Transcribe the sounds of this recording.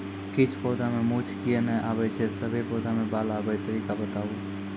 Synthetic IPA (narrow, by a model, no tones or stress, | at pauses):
kɪt͡ʃʰpɔːd̪amẽmut͡ʃʰkijenɛʔaːʋɛt͡ʃʰesəbʱepoːd̪amẽbaːlaːbɛjt̪əɾiːkabət̪aːu